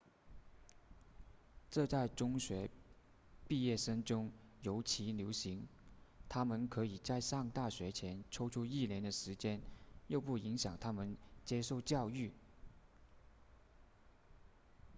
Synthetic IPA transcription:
ʈ͡ʂɤ˥˧t͡sa˥˩ɪʈ͡ʂʊ˥ŋɕɥɛ˧˥ | pi˥˧jɛ˥˩ʂɤ˥ŋʈ͡ʂʊ˥ŋjo˧˥ʊt͡ɕʰi˧˥ljo˧˥ʊɕi˧˥ŋt̪ʰa˥mə˨nkʰɤ˧˥i˨˩t͡sa˥˧ɪʂɑ˥˧ŋt̪a˥˩ɕɥɛ˧˥t͡ɕʰjɛ˧˥nʈ͡ʂʰo˥ʊʈ͡ʂʰu˥i˥˩ljɛ˧˥nd̪ə˨ʂɻ̩˧˥t͡ɕjɛ˥njo˥˧ʊpu˥˩i˧˥ŋɕjɑ˨˩ŋt̪ʰa˥mə˨nt͡ɕjɛ˥ʂo˥˧ʊt͡ɕjɑ˥˧ʊy˥˩

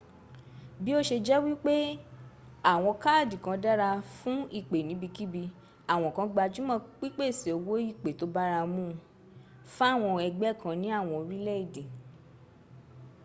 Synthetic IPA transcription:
bi˦o˦ʃe˧d͡ʒɛ˦wi˦k͡pe˦ | a˦˨w̃ɔ̃˧ka˦˨di˨kã˧da˦ɾa˧fũ˦i˦˨k͡pe˨nĩ˨˦bi˧ki˦bi˧ | a˦˨w̃ɔ̃˨kã˧ɡ͡ba˧d͡ʒu˦mã˧k͡pi˦k͡pe˦˨si˨o˨wo˦i˦˨k͡pe˨to˨˦ba˦ɾa˧mũ˦˨ | fa˦˨w̃ɔ̃˧ɛ˧ɡ͡bɛ˦˨kã˧nĩ˨˦a˦˨w̃ɔ̃˧o˧ɾi˦lɛ˦i˦˨de˨

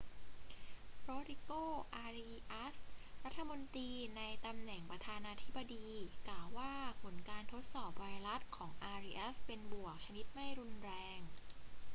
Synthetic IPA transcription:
ɾoː˧ɾi˧koː˥˩ʔaː˧ɾi˧ʔa˦˥sɾa˦˥t̪ʰːa˧mo˧nt̪iː˧na˧jt̪a˧mnɛ˨˩ŋpɾa˧t̪ʰaː˧naː˧t̪ʰi˦˥bːa˧diː˧klaː˨˩wːaː˥˩pʰo˩˦nkaː˧nt̪ʰo˦˥t̪̚sɔː˨˩p̚wa˧jɾa˦˥t̪̚kʰɔː˩˦ŋʔaː˧ɾiː˧ʔa˦˥spe˧nbu˨˩ək̚t͡ɕʰa˧ni˦˥t̪̚ma˥˩jɾu˧nɾɛː˧ŋ

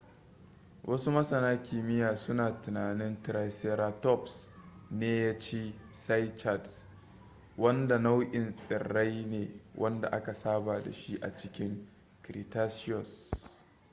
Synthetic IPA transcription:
wʔɐ˦su˦mɐ˦sɐ˨naː˦kʲiː˨mɪ˦jaː˨sʊ˦naː˨tʊ˨naː˨nɪ˦ntɪ˨ɾa˦˨jse˦ɾaː˦tɔ˦˨psneː˦jaː˦t͡ʃeː˦sa˦jt͡ʃa˦˨ds | wɐ˦nda˨na˦wʔʲɪ˨nsʼɪ̰˨ɽɾa˦jneː˨wʔɐ˦nda̰˨ʔa˦ka˨saː˦baː˨da̰˨ʃi˦ʔa̰˨t͡ʃɪ˦kʲɪ˦ŋ | kɾi˨taː˦sɪ˦ɔ˨s

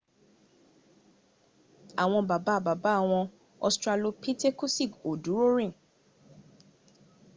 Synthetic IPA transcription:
a˨w̃ɔ̃˧ba˨ba˨˦˧ba˨ba˨˦a˦˨w̃ɔ̃˧ | ɔ̰˧stɾa˧lo˧pi˦te˦ku˦si˦˨ko˨du˨˦ɾo˦ɾĩ˦˨

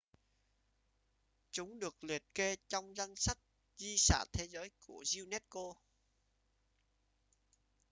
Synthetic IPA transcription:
t͡ɕʊ˨˦ŋ͡mɗɨ˨˩ək̚li˨˩ət̚ke˧t͡ɕɔ˧wŋ͡mza˧nsa˦˥kt̚ | zi˧sa̰ː˧˩t̪ʰe˨˦zəː˨˦jku˧˩əzi˧wnɛ˦˥t̚ko˧

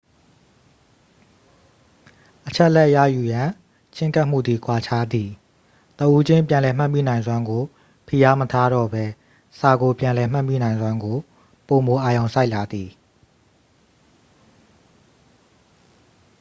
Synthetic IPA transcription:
ʔət͡ɕʰɛ˦ʔlɛ˦ʔja̰˦˨ju˨jã˨ | t͡ɕʰɪ̃˦ŋka˦ʔm̥ṵ˦˨d̪ði˨kʰwa˨t͡ɕʰa˦d̪ði˨ | t̪əʔu˦d͡ʑɪ̃˦˨mpjã˨lɛ˨m̥a˦ʔmḭ˦˨nã˨ɪ̃nzwã˦ŋɡo˨ | pʰi˨ja˦mətʰa˦ɾɔ̰˦˨bɛ˦ | sa˨ɡo˨pjã˨lɛ˨m̥ã˦˨mḭ˦˨nã˨ɪ̃nzwã˦ŋɡo˨ | po˨mo˨ʔa˨jõ˨ʊ̃sa˦ɪʔla˨d̪i˨

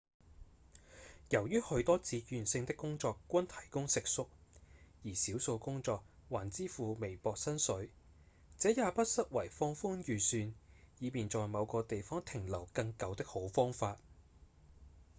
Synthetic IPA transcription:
jɐ˨˩wjyː˥hɵ˧t̪ɔː˥t͡siː˨˧jyː˨˩nsɪ˧ŋt̪ɪ˥kːʊ˥ŋt͡sɔː˧kʷːwɐ˥nt̪ʰɐ̥˨˩jkʊ˥ŋsɪ˨k̚sʊ˥k̚jiː˨˩siː˨˥wso˧wkʊ˥ŋt͡sɔː˧k̚waː˨˩nt͡siː˥fuː˨˧me˨˩jpɔː˧k̚sɐ˥nsɵ˨˥ɥ | t͡sɛː˨˥jaː˨˧pɐ˥t̚sɐ˥t̚wɐ˨˩jfɔː˧ŋfʊ˥ŋjyː˨˩syː˧njiː˨˧miː˨nt͡sɔː˨jmɐ˨˧wkɔː˧t̪e˨jfɔː˥ŋt̪ʰɪ˨˩ŋlɐ˨˩wkɐ˧ŋkɐ˨˧wt̪ɪ˥k̚ho˨˥wfɔː˥ŋfaː˧t̚

